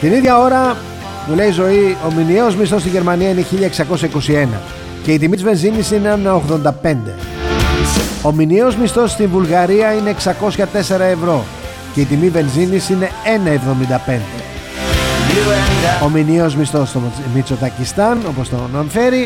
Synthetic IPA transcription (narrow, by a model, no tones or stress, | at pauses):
t̪iniðʝɐo̞ɾɐ | mule̞izo̞io̞minieo̞zmist̪o̞st̪iʝe̞ɾmɐniɐineçiʎɐeksɐko̞sçɐiko̞sie̞nɐ̰ | ce̞it̪̬imit̪izve̞nzinisine̞ɐnɐoɣðo̞nd̪ɐpe̞nd̪e̞ | o̞minio̞zmist̪o̞st̪invulɣɐɾiɐineːksɐko̞sçɐt̪e̞se̞ɾɐe̞vɾo̞ | ceit̪imive̞nzinisine̞e̞nɐe̞vðo̞mind̪ɐpe̞nd̪ḛ | ominio̞zmist̪o̞st̪omit͡so̞t̪ɐcist̪ɐno̞post̪ononfe̞ɾi